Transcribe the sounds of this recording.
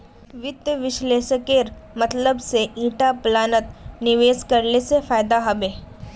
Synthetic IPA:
ʋɪd̪jəʋɪʃleːʃəkeːɾmɐt̪ləbseʔiːʈaplaːnət̪nɪʋeːskɐɾlesefaːɪd̪aɦɐbeː

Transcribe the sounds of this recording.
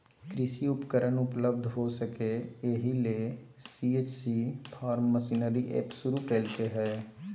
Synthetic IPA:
kɾɪsiʊpkəɾənʊpləb̚d̪ʱɦoːsəkeeɦileː | siːeːt͡ʃsiːpʰaːɾmːəsiːnəɾiʔḛːpsʊɾukeːlt̪eɦɛː

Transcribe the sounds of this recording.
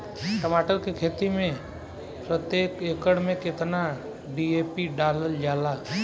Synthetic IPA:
ʈəmaːʈəɾkekʰeːt̪imẽ | pɾət̪jeːkekəɽmẽkɪt̪na | ɖiepiɖaːləld͡ʒaːla

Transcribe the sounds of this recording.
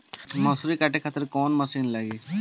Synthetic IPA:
məsuɾikaʈekʰat̪əɾkɔnməsiːnlaɡiː

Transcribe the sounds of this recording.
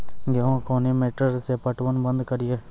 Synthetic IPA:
ɡeõːkoːneːmeːʈəɾseːpəʈʋənbə̃nd̪kəɾɪjeː

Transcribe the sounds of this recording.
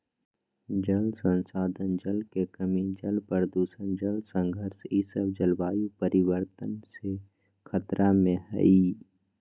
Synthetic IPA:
d͡ʒəlsə̃nsaːd̪ʱənd͡ʒəlkekəmid͡ʒəlpəɾd̪uːsənd͡ʒəlsə̃ŋɡʱəɾsisəbd͡ʒəlbaːjupəɾɪwəɾt̪ənse | kʰət̪ɾʔamẽɦə̰i

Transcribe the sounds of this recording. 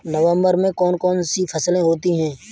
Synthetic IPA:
nəʋə̃mbəɾmẽkɔːnkɔːnsipʰɐslẽɦoːt̪iɦɛ̃ː

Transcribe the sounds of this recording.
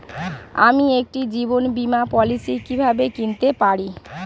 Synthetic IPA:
amiek̚ʈid͡ʑibonbimapɔlisikibʱabekint̪epaɽi

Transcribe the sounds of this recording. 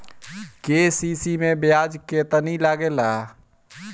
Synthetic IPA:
keːsiːsimẽbɪjaːd͡ʒket̪ənilaːɡeːlaː

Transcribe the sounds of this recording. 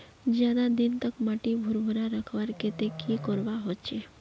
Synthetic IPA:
d͡ʒjad̪ad̪ɪnt̪əkmaʈibʱʊɾbʱuɾaɾəkʰʋaɾket̪ekikɔɾʋaɦot͡ʃʰe

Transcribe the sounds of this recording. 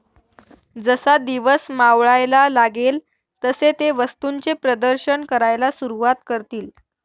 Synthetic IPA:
d͡zəsad̪iʋəsmaʋɭajlalaɡel | t̪əset̪eʋəst̪uɲt͡sepɾəd̪əɾɕəɳkəɾajlasuɾuʋat̪kəɾt̪iːl

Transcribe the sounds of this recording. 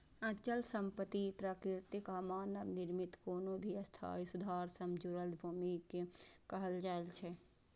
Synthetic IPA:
ə̃t͡ʃəlsə̃mpət̪ipɾaːkɾɪɾt̪ikaːmaːnəbnɪɾmit̪koːnobʱiəst̪ʰa̰ːisud̪ʱaːɾsəmd͡ʒuɾəlt̪bʱuːmikekəɦəld͡ʒaːelt͡ʃʰɛ

